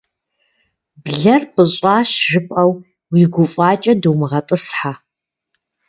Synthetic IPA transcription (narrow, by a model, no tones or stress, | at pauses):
bɮɐrpʰʼɨɕʼaːʃʒɨpʼɐw | wiɡʷʊfʼaːt͡ʃʼɐdɨwmʁɐtʼɨsħa